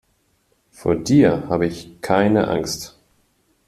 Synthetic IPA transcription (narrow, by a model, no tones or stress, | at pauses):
fo̰ːɐdiːɐhaːbəɪçkʰaɪnə̰ʔa̰ŋst